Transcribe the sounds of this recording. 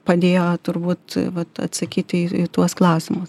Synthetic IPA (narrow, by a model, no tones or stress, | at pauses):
pɐd̪ʲeːjoːt̪ʊɾbuːt̪ʋɐt̪ɐ̰t̪sɐkʲiːt̪ʲɪɪt̪uɔsklˠɐʊsʲɪmʊs